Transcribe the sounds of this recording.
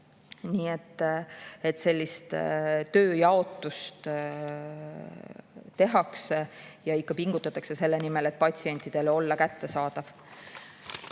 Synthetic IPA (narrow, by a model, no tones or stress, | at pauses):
niːe̞t̪ːˑ | et̪ːˑse̞lʲːist̪t̪ø̞ːjɑo̞t̪ːˑust̪ | t̪e̞ɦɑksejɑikːɑpiŋɡ̥ut̪ːˑɑt̪ːˑɑkse̞se̞lːenime̞le̞t̪̚ːˑpɑt̪ʲsie̞nʲt̪ˑid̪̥e̞lo̞lːɑkæt̪ːe̞sɑːd̪̥ɑv̥